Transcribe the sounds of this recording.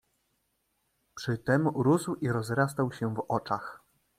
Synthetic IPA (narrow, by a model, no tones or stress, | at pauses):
pʂɘt̪ɛmɾuzwiɾɔzɾas̬t̪awɕɛvɔt͡ʂax